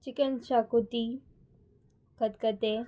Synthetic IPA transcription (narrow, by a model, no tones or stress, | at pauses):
t͡ʃikənt͡ɕakut̪i | kət̪kət̪e